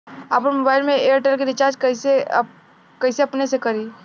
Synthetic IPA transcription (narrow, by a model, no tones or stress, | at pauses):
aːpəɾmoːbaːɪlmẽeːəɾʈəlkeɾɪt͡ʃaːɾd͡ʒkɐise | kɐɪseɐpnesekɐɾiː